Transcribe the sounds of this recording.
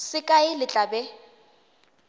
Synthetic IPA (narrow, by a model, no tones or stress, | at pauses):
sɪkʼaɪlɪt͡ɬʼabɛ